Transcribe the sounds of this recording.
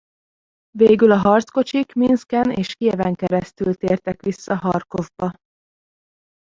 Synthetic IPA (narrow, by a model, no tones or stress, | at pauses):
veːɡylɒɦɒrt̪sko̞t͡ʃikminskɛneːʃkiɛvɛŋkɛɾɛst̪ylt̪eːrt̪ɛkʋisːɒɦɒrko̞vbɒ